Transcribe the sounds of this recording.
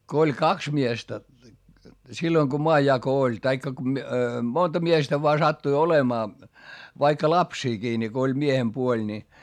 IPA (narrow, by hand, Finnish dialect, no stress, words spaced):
ko olʲ kɑks miestæ silːoiŋ ko moɑjːɑko olʲ tɑikːɑ ku mi montɑ miestæ ʋoɑ sɑtːui olemɑː ʋɑikːɑ lɑpsiːkiː ni ko olʲ miehempuolʲ nʲi